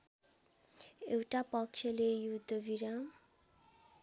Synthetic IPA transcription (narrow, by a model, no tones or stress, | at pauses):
ewʈapʌkt͡ʃʰʌlejud̪ʱːʌbʱiɾa